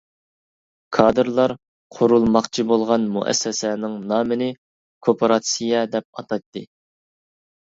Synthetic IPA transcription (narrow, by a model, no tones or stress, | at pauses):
kʰɑːd̪ɨɾlˠɑɾ | qʰoɾulˠmɑqt͡ʃʰibolˠʁɑnmṵʔɛ̰sːɛsɛnɪŋnɑːmɪnɪ | kʰopʰoɾɑt̪sijɛd̪ɛp̚ɑt̪ʰɑt̪ːɨ